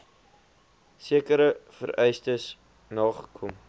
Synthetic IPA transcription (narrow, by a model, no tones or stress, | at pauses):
siəkəɾəfə̰ɾœjstəs | nɑːχə̥kʰɔm